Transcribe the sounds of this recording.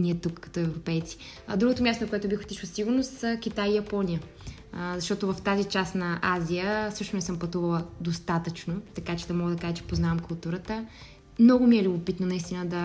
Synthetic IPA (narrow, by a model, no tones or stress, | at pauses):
niɛt̪ukːɐ̥t̪ɔɛvɾopɛjt̪si̥d̪ɾuɡot̪omʲast̪onkoɛt̪ʊbixo̥t̪iʃlˠsiɡʊɾnost̪sək̟it̪ajijɐpɔnʲijə | zɐʃt̪ɔt̪ovɐft̪azit͡ʃasnɐʔazʲijəsɤʃt̪ʊnɛsəmpɐt̪uvɐlˠəd̪ost̪at̪ət͡ʃnot̪ɐkat͡ʃɛd̪ɐmɔɡəd̪ɐkaʒɛt͡ʃɛ̥poznavɐmkʊlˠt̪uɾət̪ə | mnɔɡʊmiɛlʲubopit̪nonɐist̪inəd̪ɐ